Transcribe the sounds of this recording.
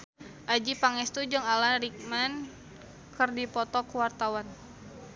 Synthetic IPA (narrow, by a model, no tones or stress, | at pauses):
ʔad͡ʒipaŋɛst̪ud͡ʒɨŋalanrik̚man | kərdipɔt̪ɔkəwart̪awan